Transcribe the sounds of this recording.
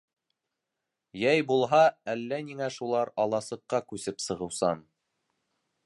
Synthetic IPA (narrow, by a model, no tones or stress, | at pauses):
jæjbulˠɦɑælːæniŋæʃulˠɑɾɑlˠɑsɤ̆qːɑkʉsɘpsɤ̆ʁɤ̆wsɑn